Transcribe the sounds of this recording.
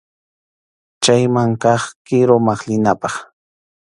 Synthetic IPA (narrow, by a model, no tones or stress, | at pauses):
t͡ʃajmaŋkɑχkɪɾomaχlɪnapɑχ